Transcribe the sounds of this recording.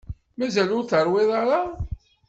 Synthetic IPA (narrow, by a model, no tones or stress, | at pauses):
mæzælʊɾθəɾˤweðˤɑɾˤɑ